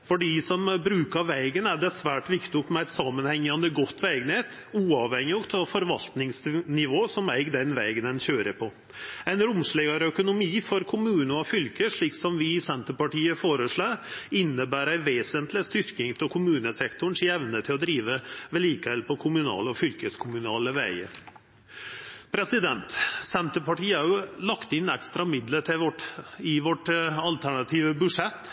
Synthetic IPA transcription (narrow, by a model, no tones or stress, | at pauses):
fɔɖɪsɔmbɾʉːkɑɾʋæɪɡənæɖɛsʋæːʈʋɪkt̪ɪʊkmɛæɪt̪sɑːmːənhɛŋːɑnd̪əɡɔt̪ːʋæɪɡnheːt̪ | uːɑʋhɛŋːɪɔkt̪ʰɑfɔɾʋɑlt̪nɪŋsnɪʋoːsɔmæɪɡd̪ɛnʋæɪɡənɛnçøːɾəpʰɔ | æɪnɾʊmʂɭeːɡɑɾœkʊnʊmiːfɔɾkʰʊmʉːnəɔfʏlkəʂɭiːksɔmʋɪɪsɛnt̪əɾpɑʈiːəfoːɾəʂɭɑːɾɪnːəbæːɾæɪʋeːsənt̪lɪst̪ʏɾkɪŋp̪ʰɪlkʰʊmʉːnəsɛkt̪ʊɳ̩ʂɪɛʋnət̪ʰɪlɔd̪ɾiːʋəʋɛliːkəʋɛlpʰɔkʰʊmʉnɑ̰ːləɔfʏlkəskʰʊmʉnɑːləʋæɪə̰ | pʰɾɛsɪd̪ɛnt̪sɛnt̪əpɑʈiːɑɾʉlɑkt̪ɪnɛkst̪ɾɑmɪd̪lət̪ʈɪʋɔʈɑlt̪ʰæɳɑt̪ʰiːʋəbʉʂɛt̪ː